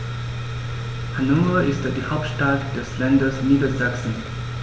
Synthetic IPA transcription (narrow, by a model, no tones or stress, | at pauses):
hanoːfɐʔɪstd̥iːhaʊp̚tʃtatd̥ɛslandɐsniːdɐzaksn̩